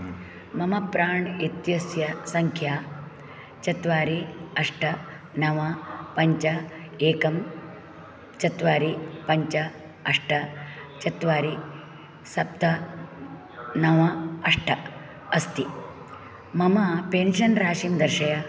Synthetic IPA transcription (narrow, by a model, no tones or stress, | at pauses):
mɐmɐpɾaːɳit̪jɐsjɐsɐŋkʰjaː | t͡ʃɐt̪ʋaːɾiɐʂʈʰɐ | nɐʋɐpɐɲt͡ʃɐeːkɐm | t͡ʃɐt̪ʋaːɾipɐɲt͡ʃɐ | ɐʂʈʰɐt͡ʃɐt̪ʋaːɾi | sɐp̚t̪ɐ | nɐʋɐɐʂʈʰɐ | ɐst̪i | mɐmɐpeːnʃɐnɾaːʃimd̪ɐɾʃɐjɐ